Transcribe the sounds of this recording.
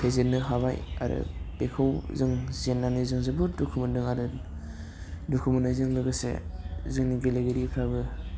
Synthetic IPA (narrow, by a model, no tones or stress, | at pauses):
pʰezenːɯɦabaja̰ɾɯ̰b̥ekʰɯwzɯŋzenːanɯzɯŋzebudukʰɯmɯndɯŋaɾɯ | dukʰɯmɯnɯzɯŋlɯɡɯsḛzɯŋniɡeleɡeɾipʰɾabɯ